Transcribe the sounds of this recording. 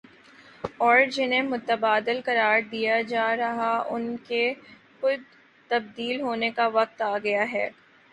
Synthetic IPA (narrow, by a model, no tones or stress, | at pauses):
ɔːɾd͡ʒɪnemʊt̪əbaːd̪ɪlkɐɾaːɾd̪ijad͡ʒaːɾɐɦaʊnke | xʊd̪ | t̪ɐb̚d̪iːlɦoːnekaʋɐq̚t̪aːɡɐjaɦɛ̰ː